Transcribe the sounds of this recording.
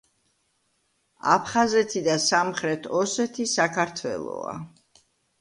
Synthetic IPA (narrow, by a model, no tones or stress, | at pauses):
apʰχazɛt̪ʰid̪asamχɾɛt̪ʰɔsɛt̪ʰisakʰaɾt̪ʰwɛ̰lˠɔ̰a̰